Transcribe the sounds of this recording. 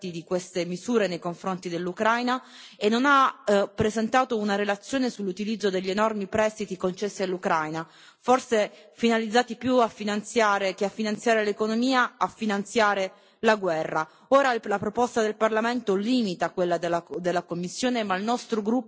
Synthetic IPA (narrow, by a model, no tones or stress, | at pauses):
t̪id̪ikwest̪emizuːɾenejkoɱfɾont̪id̪elːukɾajna | enːonapːɾezent̪aːt̪ounaɾelat̪sːjoːnesulːut̪ilid̪zːod̪eʎːienɔrmipɾɛst̪it̪ikont͡ʃesːialːukɾajna | forse | finalid̪zːaːt̪ipjuafːinant̪sjaːɾekeafːinant̪sjaːɾelekonomiːaafːinant̪sjaːɾe | laɡwɛrːa | oːɾalapɾopɔst̪ad̪elparlament̪oliːmit̪akwelːad̪elːad̪elːakomːisːjoːnemailnɔst̪ɾoɡɾupː